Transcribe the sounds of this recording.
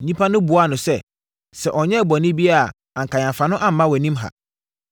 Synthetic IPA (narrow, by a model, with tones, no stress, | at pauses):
ɲĩ˦pʰa˦nʊ̃˦bu˨a˦˨nʊ̃˨sɛ˦ | sɛ˨ʔɔ˨ɲɛ̃˦˨bɔ˨nɪ̃˦bi˦a˨ | ã˨ŋkã˨ɲã˨fã˨nʊ̃˦ʔã˦m̩˨˦mã˦wɔ˨nĩ˦mɦa̰˨